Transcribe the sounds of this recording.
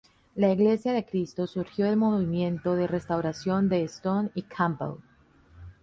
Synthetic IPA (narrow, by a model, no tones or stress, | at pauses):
laiɣle̞sjaðe̞kɾist̪o̞suɾxjo̞elmo̞βimjẽ̞nt̪o̞ðe̞re̞st̪awɾasjo̞nd̪e̞ːst̪onikʰambḛl